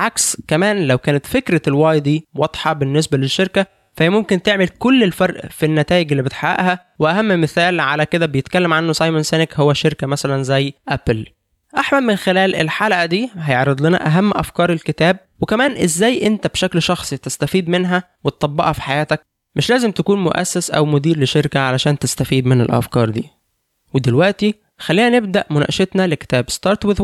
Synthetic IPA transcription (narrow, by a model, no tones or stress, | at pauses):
ʕakskæmæːnlæwkæːnæt̪fekɾælwɑːjd̪iːwɑd̪ˤħɑbenːesbæleʃːeɾkæ | fæhejæmomkent̪eʕmelkolːelfɑɾˤʔfinːæt̪æːjeɡelːiːbet̪ħawæ̰ʔhæ | weʔæhæmːmeθæːlʕalæked̪æbejet̪kælːæmʕanːosˤɑjmonsæːnekhowːæʃeɾkæmæsælænzæjːʔæpl | ʔaħmælmenxelæːlʔḛlħalʔæd̪iːɦæjeʕɾed̪ˤlenæ̰ʔæɦæmːʔæ̰fkɑːɾˤelket̪æːb̚wekæmæːnʔezːæːjʔent̪æbʃæklʃɑxsˤit̪est̪æfiːd̪menɦæ | wet̪t̪ˤːɑbːɑʔɑfi̥ħajæːt̪æk̚ | meʃlæːzemt̪ækuːnmoʔæ̰sːæsʔæ̰wmod̪iːɾleʃeɾkæʕalæʃæːnt̪est̪æfiːd̪menḛlʔæ̰fkɑːɾˤd̪ḭː | wed̪elwæʔt̪i | xælːiːnæneb̚d̪æʔmonæ̰ʔʃet̪næleke̥t̪æːbst̪ɑːɾˤt̪weð